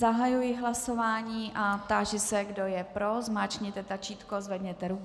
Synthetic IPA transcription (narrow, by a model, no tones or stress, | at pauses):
zaɦajujɪɦlaso̞vaːɲiːʔap̚t̪aːʒɪsɛɡdo̞jɛpɾozmaːt͡ʃɲɪt̪ɛt̪at͡ʃiːt̪kozvɛd̪ɲɛt̪ɛɾu